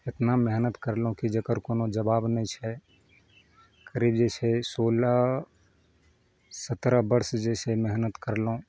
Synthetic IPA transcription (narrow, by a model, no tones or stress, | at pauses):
ɪt̪namɛɦnət̪kəɾlõkid͡ʒəkəɾkoːnod͡ʒəbaːbnəĩt͡ʃʰɛ | kəɾiːbd͡ʒɛːsesoːla | sət̪ɾabəɾsd͡ʒɛːsemɛɦnət̪kəɾlõ